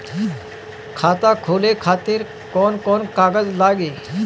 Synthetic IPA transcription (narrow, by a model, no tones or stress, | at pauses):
kʰaːt̪akʰoːlekʰaːt̪ɪɾ | kɔːnkɔːnkaːɡəzlaːɡeː